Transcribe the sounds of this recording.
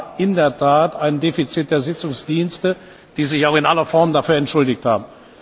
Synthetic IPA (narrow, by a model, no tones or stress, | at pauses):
ʔɪndeːɐtʰaːtʔaɪnndeːfit͡sit̚d̥eːɐzɪt͡sʊŋsd̥iːnstə | d̥iːzɪçaʊxɪnʔalɐfɔɐmdafyːɐɛntʃʊldɪçtha̰ːbm̩